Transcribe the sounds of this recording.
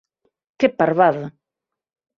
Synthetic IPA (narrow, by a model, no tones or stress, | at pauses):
kepaɾβaða